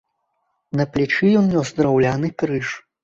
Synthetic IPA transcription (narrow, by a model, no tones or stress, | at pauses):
nɐplʲit͡ʂijɔnnʲɔsd̪ɾawlʲanɨkɾɨʂ